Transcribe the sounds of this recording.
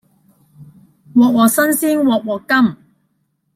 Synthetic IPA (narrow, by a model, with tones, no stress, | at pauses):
wɔː˨˩k̚wɔː˨˩sɐ˥nsiː˥nwɔː˨k̚wɔː˨kɐ˥m